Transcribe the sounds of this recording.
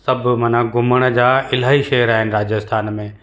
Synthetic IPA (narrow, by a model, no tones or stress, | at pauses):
sɐbmənaɡʊməɽ̃d͡ʑaːɪlaːiʃeːəɾaːɦɪnɪ̆ɾaːd͡ʑəst̪ʰaːnmẽː